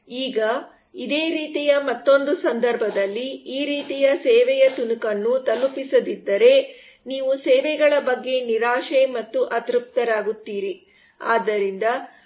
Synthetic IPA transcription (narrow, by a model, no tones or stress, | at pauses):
iːɡɐ | id̪eːɾiːt̪ijɐmɐt̪ːo̞nd̪usɐnd̪ɐɾbʱɐd̪ɐlːiːɾiːt̪ijɐsɛːʋɛjɐt̪unukɐnːut̪ɐlupisɐd̪id̪ːɐɾe̞ | niːʋusɛːʋɛɡɐɭɐbɐɡːe̞niɾaːʂemɐt̪ːuʔɐt̪ɾup̚t̪ɐɾaːɡut̪ːiːɾi | a̰ːd̪ːɐɾind̪ɐ